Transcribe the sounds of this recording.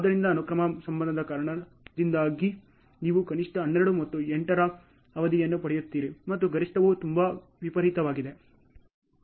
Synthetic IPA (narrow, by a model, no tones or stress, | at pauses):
aːd̪ɐɾind̪ɐːnukɾɐmɐsɐmbɐnd̪ɐd̪ɐkaːɾɐɳɐ | d̪ind̪aːɡi | niːʋukɐniʂʈɐɦːnːeɾɐɽumɐt̪ːueɳʈɐɾɐ | ɐʋɐd̪ijɐnːupɐɽɛjut̪ːiːɾimɐt̪ːuɡɐɾiʂʈɐʋut̪umba | ʋipɐɾɦit̪ɐʋaːɡid̪e̞